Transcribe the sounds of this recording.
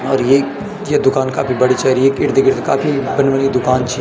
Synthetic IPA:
ɔːɾje | jed̪ʊkaːnka̰ːfʰibɐɽit͡ʃaːɾieːkɪɾd̪ekɪɾt̪ekaːpʰibɐnʋənid̪ʊkaːnt͡ʃʰi

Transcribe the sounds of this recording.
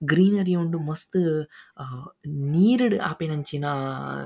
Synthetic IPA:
ɡɾiːnɐɾiuɳɖumɐst̪ɨ | niːɾiɽɨʔa̰ːpenɐɲt͡ʃinaː

